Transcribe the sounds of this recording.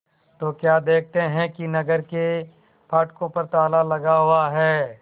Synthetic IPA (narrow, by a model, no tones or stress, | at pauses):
t̪oːkjaːd̪eːk̚ʰt̪eɦɛ̃kinɐɡəɾke | pʰaːʈkõpɐɾt̪aːlalɐɡaɦʊwaɦɛː